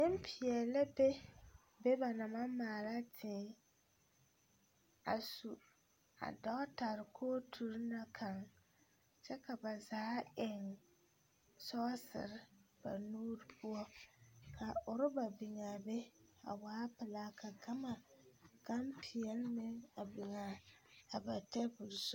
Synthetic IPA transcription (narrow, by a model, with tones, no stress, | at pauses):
nɪ˦mpʰɪ˨ɛ˨lɪ˦be˦ | bɛ˦ba˨na˨ma˦maː˨la˦tʰɪː˨˦ | a̰˨su˨ | a̰˨dɔ˦ta˨ɾɪ˨kʰoː˦tʰu˨ɾna˨kʰa˨ŋ | t͡ʃɛ˦ka˨ba˨zaː˨˦ɪ˨ŋ | sɔ˦sɪ̰˨ɾɪ˦b̥a̰˨nuː˦ɾpʰʊ˦ɔ˦kʰa˨ʊ˨ɾɪ˦ba˨bi˨ŋa˨bɛ˦a̰˨waː˦pɪ˨laː˦kʰa˨ɡa˦ma˨ɡ̥a˦mpʰɪ˨ɛ˨lmɪ˦ŋa˨bi˨ŋa˨a˨ba˨tɛ˦bu˨lsʊ˦